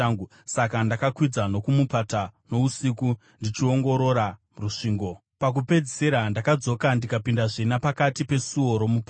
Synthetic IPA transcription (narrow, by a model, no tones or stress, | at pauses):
ŋu | sakandakakwid͡zano̞kumupatano̞usiku | ndit͡ʃio̞ŋɡo̞ɾo̞ɾa | ruʂiːŋɡo̞ | pak̬upe̞d͡zise̞ɾandakad͡zo̞kandikapindaʐinapakatipe̞suo̞ɾo̞mupa